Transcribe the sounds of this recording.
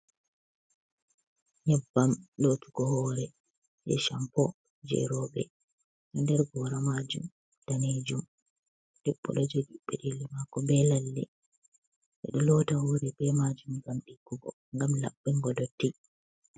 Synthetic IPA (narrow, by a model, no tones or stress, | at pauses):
ɲɛbːamlotu̥ɡɔhɔːɾɛ | d͡ʒɛ̰ʃampɔ | d͡ʒɛ̰ɾɔɓɛ̰ | ɗɔndɛɾɡɔɾamad͡ʒṵm | taned͡ʒum | d̥ɛɓːɔ̰ɗɔd͡ʒoɗiɓːɛɗelimakːɔbɛlalːɛ̰ | ʔɛ̰ɗɔlɔtauɾibɛmad͡ʒumɡamɗiɡːuɡɔ | ŋɡamla̰ɓːɛŋɡɔdɔtːi